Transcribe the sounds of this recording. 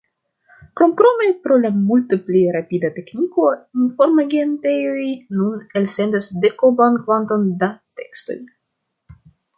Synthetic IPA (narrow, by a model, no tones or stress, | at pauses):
kɾomkɾo̞mepɾo̞lamultepliɾapidate̞kniko̞info̞ɾmaɡentejojnunelse̞ndasdekobankvanto̞ndate̞ksto̞̰j